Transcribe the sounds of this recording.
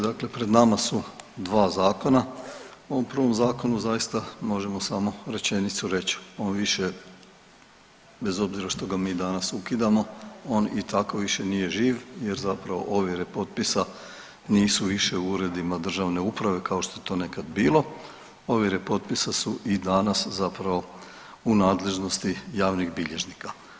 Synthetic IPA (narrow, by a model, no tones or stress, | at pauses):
d̪akle̞pɾe̞d̪namasud̪ʋaːzaːko̞na | oʋompɾr̩ʋo̞mzaːko̞nuzajist̪amo̞ʒe̞mo̞samo̞ɾe̞t͡ɕe̞nit̪suɾe̞t͡ɕo̞ːnʋiʃe̞ | be̞zo̞bziɾaʃt̪o̞ɡamiːd̪anasukid̪amo̞o̞ːnit̪ʰakoʋiʃe̞nije̞ʒiːʋjeɾzapɾaʋo̞̰ʔo̞ʋiɾepo̞t̪̚pisa | niːsuʋiʃeuɾe̞d̪imad̪r̩ʒaʋne̞upɾaʋe̞kaoʃt̪o̞jet̪o̞ːne̞kad̪biːlˠo̞ | o̞ʋiɾepo̞t̪̚pisasuʔid̪anaszapɾaʋo̞ | unaːd̪le̞ʒno̞st̪ijaːʋniɣbiʎe̞ʒnika